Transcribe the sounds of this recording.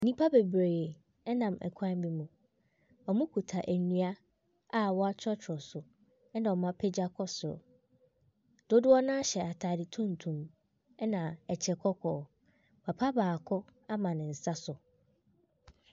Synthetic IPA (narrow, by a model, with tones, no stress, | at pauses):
nĩ˦pʰa˦be˨bɾeː˨e˨ | ɛ˦nã˨mɛ̰˨kʷʰã˦m˦bi˦mũ˨ | ɔ˨mʊ̃˦kʰu˨tʰa˨ʔæ˨nũ˦a˦ | a˦wɔ˦a˦t͡ɕʰᶣɔ˦t͡ɕʰɔ˨sʊ˨ | ɛ˦nã˨ɔ˨mã˦pʰe˦d͡ʑa˦kʰɔ˦sʊ˨ɾʊ̰˨ | d̥ʊ˦dʊ˦ɔ˦nã˦a˦ɕɛ˨a˨tʰaː˨dɪ˨tʰũ˦n̩˨tʰũ˨m | ɛ˦nã˨ɛ˨t͡ɕʰɛ˨kʰɔ˦kʰɔː˨ | pʰa˨pʰa˦baː˨kʰɔ˦a˦mã˨nɪ̃˨n̩˨sa˦sʊ˨